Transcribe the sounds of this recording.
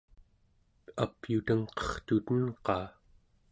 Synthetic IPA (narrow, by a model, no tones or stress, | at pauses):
apjut̪əŋqʌ̥χt̪ut̪ənqɑː